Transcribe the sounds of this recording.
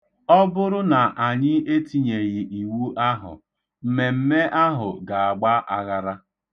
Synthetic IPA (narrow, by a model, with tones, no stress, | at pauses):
ɔ˦bʊ˦ɾʊ˦na˨ʔa˨ɲɪ˦e˦ti˨ɲe˨ɣɪ˨ʔi˨wu˦ʔa˦ɦʊ̰˨ | m̩˨me˨m̩˦me˦ʔa˦ɦʊ̰˨ɡa˨a˨ɡ͡ba˦ʔa˨ɣa˦ɾa˦